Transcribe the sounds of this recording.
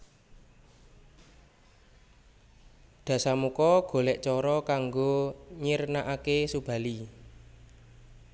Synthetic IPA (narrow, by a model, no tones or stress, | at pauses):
ɖ̪̥a̤samukɔɡ̥o̤lɛʔt͡ʃɔɾɔkaŋɡoɲirnaʔakesub̥a̤li